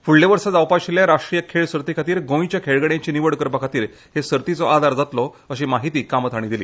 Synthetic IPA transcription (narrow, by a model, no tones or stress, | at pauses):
fuɭleʋəɾsad͡zawpaɕiljaɾaʂʈɾijəkʰeɭsəɾt̪ikʰat̪iːɾɡõit͡ɕjakʰeɭɡəɽjãɲt͡ɕiːniʋəɽkəɾpakʰat̪iːɾ | hesəɾt̪it͡sɔʔad̪ʱaɾd͡zat̪lɔ | əɕ̬iːmaɦit̪iːkamt̪ʰaɽ̃id̪ilḭː